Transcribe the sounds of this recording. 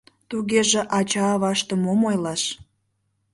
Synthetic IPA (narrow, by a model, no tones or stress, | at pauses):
t̪uɣeʒĕʔɑt͡ɕɑːβɑʃt̪əmomojlɑʃ